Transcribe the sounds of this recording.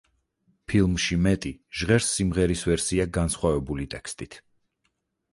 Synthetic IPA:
pʰilˠmʃimɛt̪ʼiʒ̥ʁɛɾsːimʁɛɾisvɛɾsiaɡansχwavɛbulit̪ʼɛkst̪ʼit̪ʰ

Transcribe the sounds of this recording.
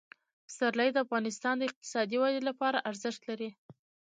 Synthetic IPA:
st̪aɾləjd̪əafɣɑnɪst̪ɑnd̪əɪq̚t̪ɪ̥sɑd̪iwɑd̪ilapɑɾaʔaɾzɪʃt̪laɾi

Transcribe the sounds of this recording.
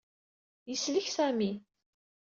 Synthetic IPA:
jəsləçsæmi

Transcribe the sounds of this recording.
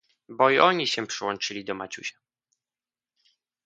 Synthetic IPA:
bɔiʔɔɲiɕɛpʂɘwɔnt͡ʂɘlʲid̪ɔmat͡ɕṵɕḁ

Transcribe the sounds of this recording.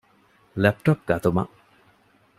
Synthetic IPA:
lɛp̚ʈɔp̚ɡɐt̪umɐ̰

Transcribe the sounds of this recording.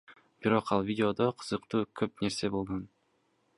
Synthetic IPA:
b̥iɾo̞qɑlˠvʲidʲɪo̞d̪oqʰɯ̥z̥ɯqt̪uːkʰøpne̞ɾse̞bo̞lˠʁon

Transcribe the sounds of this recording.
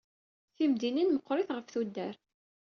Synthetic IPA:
θimd̪ininməqːɾɪθʁəfθud̪ːæɾ

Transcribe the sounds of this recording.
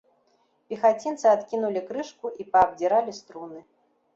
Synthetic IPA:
pʲixat͡sʲint̪sɨat̪kʲinulʲikɾɨʂkuʔipɐːbd͡zʲiɾalʲist̪ɾunɨ

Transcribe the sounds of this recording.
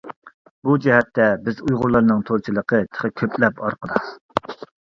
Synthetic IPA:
bud͡ʒɛɦɛt̪ʰːɛbɪzujʁʊɾlˠɑɾnɨŋt̪ʰoɾˠt͡ʃʰilˠəqʰət̪ʰə̥χəkʲʰøplɛpɑɾqəd̪ɨ

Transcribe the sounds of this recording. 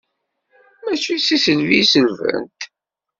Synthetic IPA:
mæt͡ʃːisisəlvisəlvə̰nt̪

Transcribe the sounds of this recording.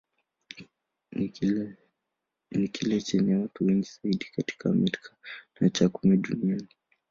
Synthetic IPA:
nikʰilɛt͡ʃɛnawatuwɛŋɡiz̥aiɗikati̥kamitkʰḁnat͡ʃakumɛɗuniani

